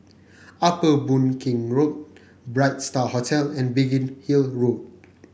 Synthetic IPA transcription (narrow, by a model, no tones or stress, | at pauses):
apəbũnkʰĩŋɹot̚ | bɹaɪt̚stahɔtʰɛlɛ̃nbiɡĩnhilɹod̚